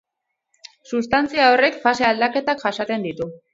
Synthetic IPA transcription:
sust̪ant͡siaore̞kfase̞ald̪ake̞t̪akʝasat̪e̞nd̪it̪u

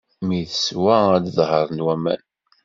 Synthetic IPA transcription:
miθəswææd̪ðˤɦəɾˤnwæmæ̰n

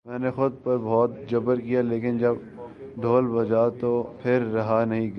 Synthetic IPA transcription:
mɛ̃ːnexʊd̪̚pɐɾbɔːt̪̚d͡ʒɐbəɾkijaleːkɪnd͡ʒɐb | ɖ̪ʱoːlbɐd͡ʒat̪opʰɪɾːɐɦanɐɦĩ

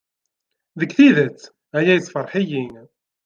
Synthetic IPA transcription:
ðəkθiðæt͡sː | æjæjəsˤfərˤħijin

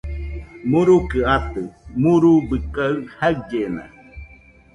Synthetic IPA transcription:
muɾukɨat̪ɨmuɾubɨkaɯhak̚ɟena̰

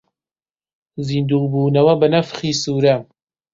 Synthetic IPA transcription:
ziːnd̪uːbuːnɐwɐbɨnɐfχiːsuːɾɐ

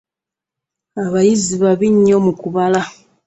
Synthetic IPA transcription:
aβajiziβaβiɲːomukuβala

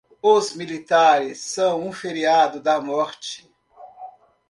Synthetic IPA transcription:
ozmilit̪aɾɪsːɐ̃w̃ũfeɾiad̪ʊd̪ɐmɔɾt͡ʃɪ̥

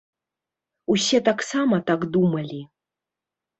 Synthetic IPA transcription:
usʲɛt̪aksamɐt̪akd̪umɐlʲi

